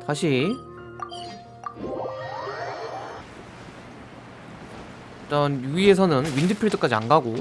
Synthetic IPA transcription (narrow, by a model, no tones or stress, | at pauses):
taɕʰi | t͈ʌnjuie̞sʰʌnɯnwindɯpʰiɭdɯk͈ad͡ʑia̰nɡaɡo